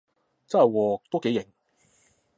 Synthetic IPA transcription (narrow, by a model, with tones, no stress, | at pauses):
t͡sɐ˥hɐ˨jwɔː˨˧t̪o˥ke˨˥jɪ˨˩ŋ